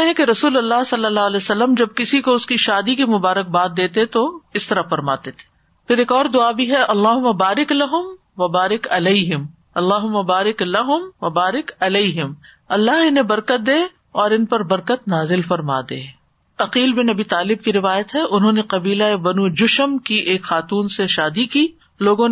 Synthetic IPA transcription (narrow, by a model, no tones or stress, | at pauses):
ɦɛ̃keɾɐsuːlɐlːaɦsɐlːəlːaːlɛːsɐlːəmd͡ʒɐb̚kɪsikoʊskiʃaːd̪ikimʊbaːɾək̚baːt̪̚d̪eːt̪et̪oɪst̪ɐɾɐfɐɾma̰ːt̪et̪ʰe̥ː | pʰɪɾeːkɔːɾd̪ʊabiɦɛʔɐlːaːɦʊmːabaːɾɪklɐɦʊm | ʋɐbaːɾɪkɐlɐiɦɪm | ɐlːaːɦʊmːabaːɾɪklɐɦʊmʋɐbaːɾɪkɐlɐiɦɪm | ɐlːaɦɪnɦebɐɾkət̪̚d̪eː | ɔːɾɪnpɐɾbɐɾkət̪naːzɪlfɐɾma̰ːd̪ḛː | ɐqiːlbɪnɐbiːt̪aːlɪb̚kiɾɪʋaːjət̪ɦɛʔʊnɦõneqɐbiːlaebɐnud͡ʒʊʃəmkiʔeːkxaːt̪uːnseʃaːd̪ikiː | loːɡõn